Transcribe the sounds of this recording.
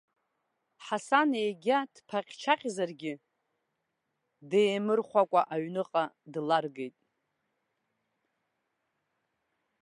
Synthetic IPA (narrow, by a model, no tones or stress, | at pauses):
ħasanejɡʲad̥pʰaqʲt͡ʃʰaqʲʼzarɡʲɪ | dejmɨrχʷakʷʼaʔaɥnɨqʼadlarɡejtʼ